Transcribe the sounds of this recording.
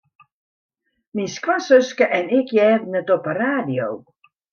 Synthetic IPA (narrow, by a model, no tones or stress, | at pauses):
minskwasøskəʔɛnɪkʰjɛːdənətɔpəraːdijo̰w